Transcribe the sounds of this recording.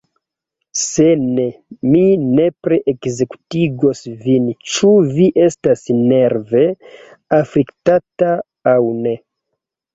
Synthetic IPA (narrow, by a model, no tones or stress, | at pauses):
senemine̞pɾeʔekzeku̥tiɡo̞svint͡ʃuviʔe̞stasne̞ɾve̞ | afliktataː | wne̞